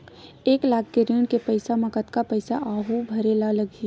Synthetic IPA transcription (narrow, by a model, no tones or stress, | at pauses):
eːklaːk̚ʰkeɾiːɳkepɐɪsamɐkət̪kapɐɪsaʔaːɦubʱɐɾeːlalɐɡi